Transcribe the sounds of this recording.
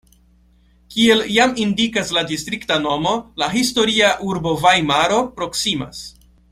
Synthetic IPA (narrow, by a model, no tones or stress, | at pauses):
kie̞ljamindikasladistɾiktano̞mo̞laɦisto̞ɾiaʔuɾbo̞vajmaɾo̞pɾo̞ksima̰s